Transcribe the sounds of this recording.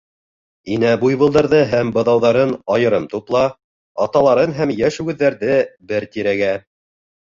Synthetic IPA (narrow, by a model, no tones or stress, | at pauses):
inæbujβɤ̆lˠd̪ɑɾðɤɦæmbɤ̆ðɑwðɑɾɤnɑjɤ̆ɾɤmt̪uplˠɑ | ɑt̪ɑlˠɑɾɤnɦæmjæʃʉɡɘ̆ðːæɾðɘbɘɾt̪iɾæɡæ